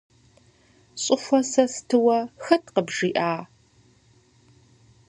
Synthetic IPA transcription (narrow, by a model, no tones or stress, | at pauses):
ɕʼɪxʷɐsɐstʰɨwɐxɐtʰqəbʐiːʔaː